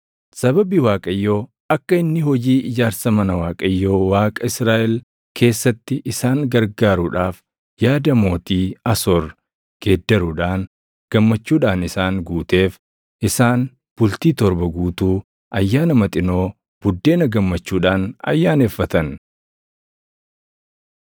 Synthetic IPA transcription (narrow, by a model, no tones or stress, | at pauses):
sɐbɐbɪwaːkʼɐjːo̞ː | ɐkːɐɪnːɪɦɔd͡ʒiːʔɪd͡ʒaːɾsɐmɐnɐwaːkʼɐjːo̞ːwaːkʼɐɪsɾaːʔɪl | kʰe̞ːsːɐt̪ːɪʔɪsaːŋɡɐɾɡaːɾʊᶑaːf | jaːd̪ɐmo̞ːt̪iːɐsoːɾ | ɡ̥e̞ːd̪ːɐɾʊᶑaːn | ɡ̥ɐmːɐt͡ʃːuːᶑaːnɪsaːŋɡuːt̪e̞ːf | ʔɪsaːn | b̥ʊlt̪iːt̪ɔɾbɐɡuːt̪uː | ʔɐjːaːnɐmɐt̪ʼɪno̞ː | b̥ʊd̪ːe̞ːnɐɡɐmːɐt͡ʃːuːᶑaːnɐ̰jːaːne̞ːfːɐt̪ɐn